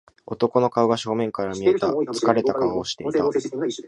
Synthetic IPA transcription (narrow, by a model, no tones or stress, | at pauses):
o̞t̪o̞ko̞no̞kaɯ̟ɡaɕo̞ːmẽ̞ŋkaɾamʲie̞t̪at͡sɨ̥kaɾe̞t̪akaβaoɕi̥t̪e̞it̪at